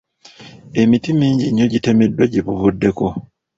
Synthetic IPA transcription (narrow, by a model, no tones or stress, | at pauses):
e̞mitimiːɲɟiɲːo̞ɟite̞me̞dːwaɟiβuβudːe̞ko̞